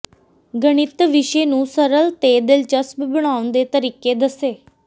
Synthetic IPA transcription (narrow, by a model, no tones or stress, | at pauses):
ɡəɽ̃ɪt̪ʋɪʃeːnũːsəɾəlt̪eːd̪ɪlt͡ʃəsbbəɽ̃aːʊnd̪eːt̪əɾiːkeːd̪əseː